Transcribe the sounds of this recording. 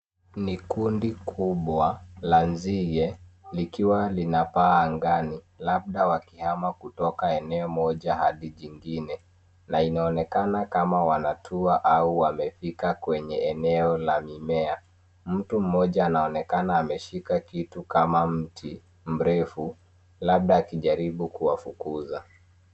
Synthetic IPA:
nikundikʰuɓwalanziɣɛlikiwalinapaːŋɡani | lab̚ɗawakihamakutɔkaɛnɛɔmɔʄahaɗiʄiŋɡinɛ | nainaɔnɛkanakamawanatʰuaʔauamɛfikakwɛɲɛɛnɛɔlamimɛa | m̩tum̩mːɔʄaːnaɔnɛkanaːmɛʃikakitukamam̩tʰi | m̩ɾɛfu | laɓ̚ɗaːkiʄaɾiɓukuwafukuza

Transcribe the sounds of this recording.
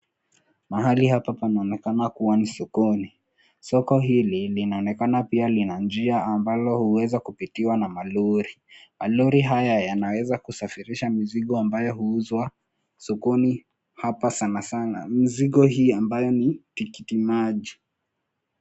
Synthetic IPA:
maɦalihapapanaɔnɛkanakuwanisukuni | sɔkɔɦililinaɔnɛkanapialinand͡ʒiaːmbalɔhuwɛzakupitiwanamaluɾi | maluɾiɦajajanawɛzakusafiɾiʃamiziɠɔambajɔhuuzwa | sukuni | hapasanasana̰miziɠɔhiːambajɔnitikitimaʄi

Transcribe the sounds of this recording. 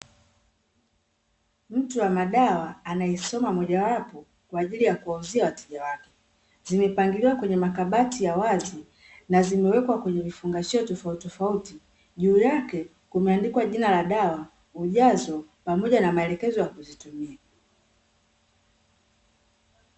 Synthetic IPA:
m̩tuwamaɗawaːnaɛsɔmamɔʄawapɔ | kwaːʄilijakuwauziawatɛʄawakɛ̥ | zimɛpaŋɡiliwakwɛɲɛmakaɓatijawazi | nazimɛwɛkwakwɛɲɛvifuŋɡaʃiɔtɔfautɔfauti | ʄuːjakɛ | kumɛandikwaʄinalaɗawa | uʄazɔpamɔʄanamaɛlɛkɛzɔjakuzitumia

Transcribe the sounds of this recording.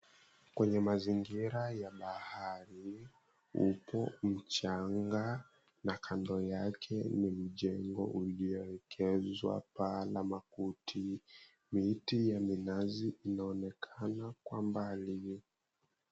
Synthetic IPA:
kwɛɲɛmaziŋɡiɾajaɓahaɾi | upɔm̩t͡ʃaŋɡa | nakʰandɔjakʰɛnim̩ʄɛŋɡɔ̰ʔulijɔwɛkʰɛzwa̰palamakutʰi | mitijaminaziʔːnaɔnɛkʰanakwambali

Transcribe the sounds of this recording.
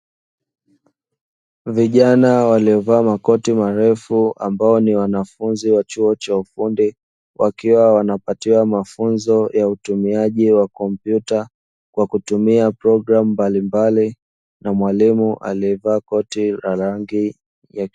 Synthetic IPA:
viʄanawaliɔvaːmakɔtimaɾɛfua̰mbaɔniwanafunziwat͡ʃuɔt͡ʃaufundi | wʔakiwawanapatiwamafunzɔjautumiaʄiwakɔmpjuta | kwakutumiapɾɔɡɾamumbalimbali | namwalimuʔa̰liɛvaːkɔtilaɾaŋɡi | ja

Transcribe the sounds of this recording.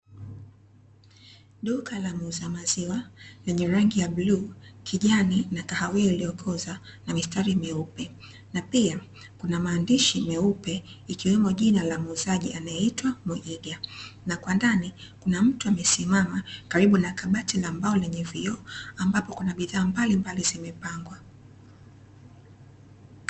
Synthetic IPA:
ɗukalamuzamaziwalɛɲɛɾaŋɡijabluːkʰiʄaninakahawɛilijɔkʰɔza | namistaɾimɛupɛ | napia | kunamaːndiʃimɛupɛikiwɛmɔʄinalamuzaʄianajɛitwamuʔiɡanakwandanikunam̩tuamɛsimamakaɾiɓunakaɓatilambaɔlɛɲɛviɔambapɔkunaɓiðaːmbalimbalizimɛpaŋɡwa

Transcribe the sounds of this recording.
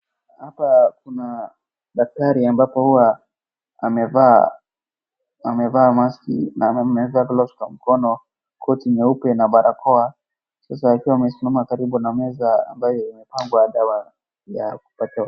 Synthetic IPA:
hapakuna | ɗak̚taɾiambapɔhuwa | amɛva | amɛvamaskḭnaɛmɛvakɔlɔskam̩kɔnɔ | kɔtiɲɛupɛnaɓaɾʔakʰɔa | sas̬aːkiwamɛsumamakaɾiɓunamɛzaa̰mbajɔimɛpaŋɡwaːɗawa | jaku̥pata

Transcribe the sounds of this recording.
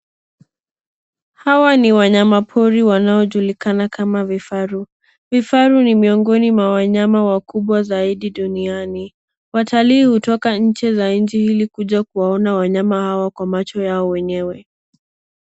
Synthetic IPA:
hawaniwaɲamapʰɔɾiwanaɔʄulikanakamavifaɾu | vifaɾunimiɔŋɡɔnimwawaɲamawakuɓwazaiɗiɗuniani | watʰaliːhutɔkaɲ̩t͡ʃɛzaɲd͡ʒihilikuʄakuwaɔnawaɲamahawakwamat͡ʃɔjaɔwɛɲɛwɛ

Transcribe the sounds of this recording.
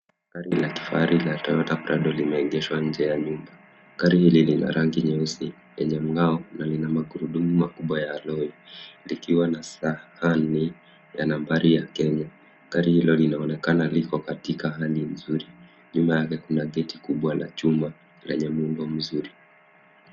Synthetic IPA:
kaɾilaki̥faɾʔilatɔjɔtapɾaɗɔlimɛːŋɡɛʃwaɲ̩d͡ʒɛjaɲumba | kaɾihililina̰ɾaŋɡiɲɛusi | jɛɲɛm̩ɡaɔnalinamaɠuɾuɗumumakuɓwajaːlɔilikiwanasahani | janambaɾijakɛɲa | kaɾihilɔlinaɔnɛkanalikɔkatikaɦalin̩zuɾi | ɲumbajakɛkunaɠɛtikuɓwana̰t͡ʃuma | lɛɲɛmuŋɡɔm̩zuɾi

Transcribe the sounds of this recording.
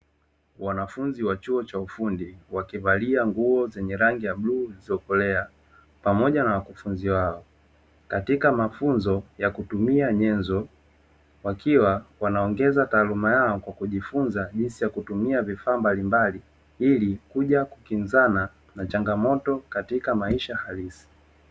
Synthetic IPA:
wanafunziwat͡ʃuɔt͡ʃaufundiwakivaliaŋɡuɔzɛɲɛɾaŋɡijaɓluːziɔkɔlɛa | pamɔʄanawakufunziwaɔ | katikamafunzɔjakutumiaɲɛnzɔ | wakiwawanaɔŋɡɛzataːlumajaɔkwakuʄifunzaʄinsijakutumiavifaːmbalimbali | ilikuʄakukinzana | nat͡ʃaŋɡamɔtɔkatikamaiʃahalisi̥

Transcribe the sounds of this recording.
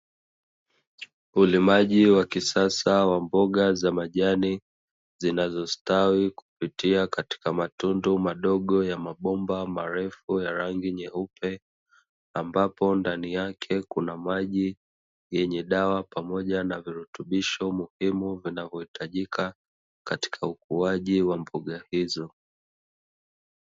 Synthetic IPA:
ulimaʄiwakisasawambɔɠazamaʄani | zinazɔstawiku̥pitiakati̥kamatundumaɗɔɠɔjamaɓɔmbamaɾɛfujaɾaŋɡiɲɛupʰɛ | ambapɔndanijakʰɛkunamaʄi | jɛɲɛɗawapamɔʄanaviɾutuɓiʃɔmuhimuvinavjɔhitʰaʄikʰa | kati̥kʰaukuaʄiwam̩buɠahizɔ

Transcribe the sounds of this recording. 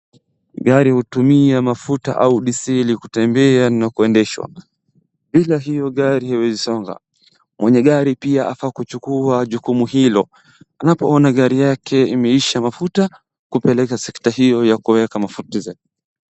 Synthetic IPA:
ɠaɾihutumiamafuta̰ʔauɗisilikutɛmbɛanakuɛndɛʃwa̰ | ɓilaɦijɔɠaɾihawɛzisɔŋɡa̰ | mwɛɲɛɠaɾipiaʔafakut͡ʃukuaʄukumuhilɔ | anapɔɔnaɠaɾijakʰɛimɛiʃamafuta | kupɛlɛkasɛktahijɔjakuwɛkamafutizai

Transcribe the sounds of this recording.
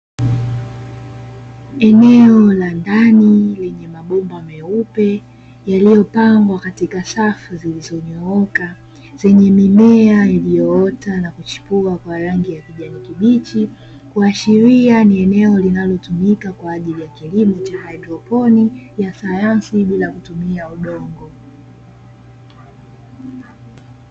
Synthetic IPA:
ɛnɛɔlandanilɛɲɛmaɓɔmbamɛupɛ | jalijɔpaŋɡwakatikasafuzilizɔɲɔɔka | z̥ɛɲɛmimɛailijɔɔtanakut͡ʃi̥puakwaɾaŋɡijakiʄanikiɓit͡ʃi | kuaʃiɾianiɛnɛɔlinalɔtumikakwaːʄilijakilimut͡ʃahajdɾɔpɔnijasajansiɓilakutumiauɗɔŋɡɔ

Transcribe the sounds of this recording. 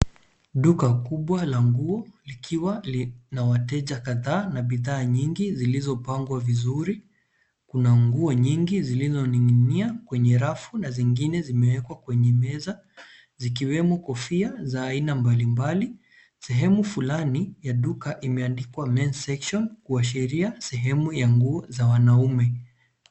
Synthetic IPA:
ɗukakuɓwalaŋɡuɔlikʰiwanawatɛʄakaðaːnaɓiðaːɲiŋɡizilizɔpaŋɡwavizuɾi | kunaŋɡuɔɲiŋɡizilizɔniiniakwɛɲɛɾafunaziŋɡinɛzimɛwɛkwakwɛɲɛmɛza | zik̬iwɛmɔkɔfiazaːinambalimbali | sɛɦɛmufulanijaɗukaʔimɛandikwamɛnsɛkʃɔnkuaʃ̬ɛɾiasɛɦɛmujaŋɡuɔzawanaumɛ

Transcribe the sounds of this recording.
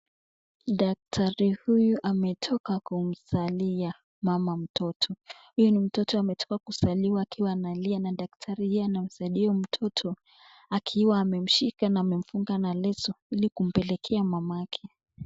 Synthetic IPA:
ɗak̚tʰaɾihujuʔamɛtʰɔkakum̩salia | mamam̩tʰɔtʰɔ | hujɔnim̩tɔtɔamɛtʰɔ̥kakusaliwaːkʰiwaːnalianaɗak̚tʰaɾihijɔanam̩saɗiɔm̩tʰɔtʰɔ | akʰiwaːmɛm̩ʃikanaːmɛm̩fuŋɡanalɛsɔilikum̩pɛlɛkʰɛamamaakʰɛ

